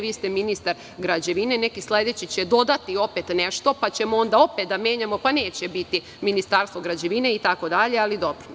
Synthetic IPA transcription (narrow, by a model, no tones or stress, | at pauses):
ʋiːst̪eminist̪aɾ | ɡɾad͡ʑeʋine̞nekisle̞d̪et͡ɕit͡ɕed̪o̞d̪at̪io̞pet̪neʃt̪o̞pat͡ɕe̞moo̞nd̪ao̞pet̪d̪amje̞ːɲamo̞paneːt͡ɕebit̪i | minist̪aːɾst̪vʋo̞ɡɾad͡ʑeʋine̞it̪ako̞d̪aʎe̞alid̪o̞pɾon